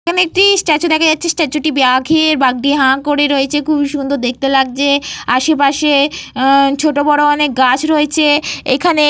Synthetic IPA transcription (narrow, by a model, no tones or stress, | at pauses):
ekʰaneek̚ʈisʈat͡ɕod̪ɛkʰad͡ʑatːɕʰesʈɛt͡ɕoʈibiaɡʱeɾbaɡɖiɦãkoɾeɾoet͡ɕʰekʰubiʃund̪ʱod̪ek̚t̪elaɡ̚t͡ɕeaʃepaʃe | t͡ɕʰoʈobɔɽoɔnek̚ɡat͡ɕʰɾoet͡ɕʰeḛkʰane